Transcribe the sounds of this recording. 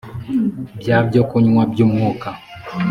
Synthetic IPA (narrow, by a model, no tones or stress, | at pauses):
bjabɟokuɲŋwabjumŋuka